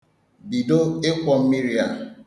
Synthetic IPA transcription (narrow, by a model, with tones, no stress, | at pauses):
bi˨do˦e˦kʷɔ˨m̩˦mi˦ɾi˦a˦